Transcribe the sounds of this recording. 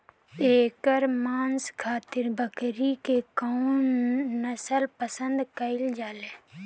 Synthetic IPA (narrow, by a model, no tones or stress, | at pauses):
eːkəɾmaːnskʰaːt̪ɪɾbəkɾikekaunːəsəlpəsə̃nd̪kəɪld͡ʒaːleː